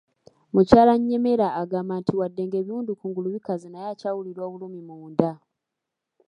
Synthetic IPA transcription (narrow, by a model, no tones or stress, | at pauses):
mucaːlaɲːe̞me̞ɾaːɡaːmantʰiwadːe̞ːŋɡe̞ːβiuːndukuːŋɡuluβikazinajacaːwuliɾo̞ːβulumimuːnda